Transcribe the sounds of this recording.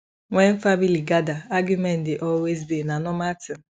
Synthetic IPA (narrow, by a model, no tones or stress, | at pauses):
ŋʷɛn̩familiɡadaaɡjumɛ̃ndɪʔɔlwezbinanɔmatɪ